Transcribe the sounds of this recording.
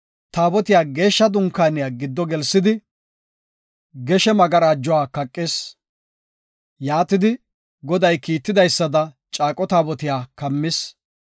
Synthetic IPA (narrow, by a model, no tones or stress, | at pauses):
t̪aːbɔt̪ɪjaːɡe̞ːʃːɐd̪ʊŋkaːnɪjaːɡɪd̪ːɔɡɛlsːɪd̪ɪ | ɡɛʃɛmɐɡɐɾaːd͡ʒːɔwaːkɐkʼːeːs | jaːt̪ɪd̪ɪ | ɡɔd̪ɐjkiːt̪ːɪd̪ɐjsːɐd̪ɐ | t͡ʃʼaːkʼɔt̪aːbɔt̪ɪjaːkɐmːɪs